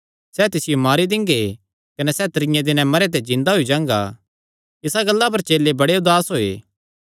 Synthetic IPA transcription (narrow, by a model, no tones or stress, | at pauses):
sɛːt̪ɪsɪjomaːɾid̪ɪ̃ŋɡe | kɐnɛsɛːt̪ɐɾɪ̃jãd̪ɪnɛ̃mɐɾet̪̬ed͡ʒɪ̃nd̪aɦoid͡ʒãːŋ̆ɡa̰ | ɪsaɡɐlːap̬ɐɾt͡ʃeːlːebɐɽeʊd̪aːsɦoːḛː